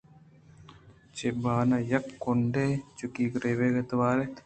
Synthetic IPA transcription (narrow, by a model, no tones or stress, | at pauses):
t͡ʃebaːnɐjɐkːoɳɖet͡ʃukiːkɾeːʋeːɡɐt̪ɐʋaːɾe